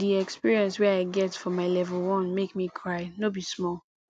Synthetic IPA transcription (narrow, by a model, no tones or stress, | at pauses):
diɛkspiɹiɛ̃nswɛaɪɡɛtfɔmaɪlɛvəlˠwɔ̃nmekmikʰɹaɪnobismɔlˠ